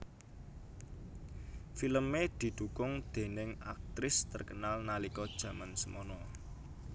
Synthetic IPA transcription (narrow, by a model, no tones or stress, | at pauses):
filəmed̪̥i̤d̪̥ukʊŋd̪̥e̤nɪŋa̰k̚t̪ɾɪst̪ərkənalnalikɔd̥ʒ̥ä̤mansəmɔnɔ